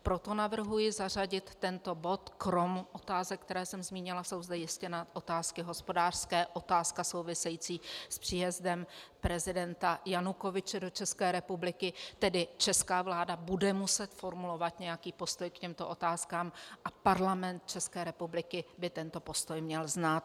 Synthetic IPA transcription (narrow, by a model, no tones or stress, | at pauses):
pɾo̞t̪o̞navr̩ɦujɪzar̝aɟɪt̪ːɛnt̪o̞bo̞t̪kɾo̞mʔo̞t̪aːzɛkt̪ɛɾɛːsɛmzmiːɲɪlaso̞wzd̪ɛjɪscɛnaʔo̞t̪aːskɪɦo̞spo̞daːr̥skɛːʔo̞t̪aːskaso̞wvɪsɛjiːt͡siːspr̥iːjɛzdɛmpɾɛzɪdɛnt̪ajanuko̞vɪt͡ʃɛdo̞t͡ʃɛskɛːɾɛpublɪkɪt̪ɛdɪt͡ʃɛskaːvlaːdabudɛmusɛt̪fo̞ɾmulo̞vat̪ɲɛjakiːpo̞st̪o̞jkcɛmt̪oʔo̞t̪aːskaːmʔapaɾlamɛnt̪̚t͡ʃɛskɛːɾɛpublɪkɪbɪt̪ɛnt̪o̞po̞st̪ojmɲɛlznat̪̚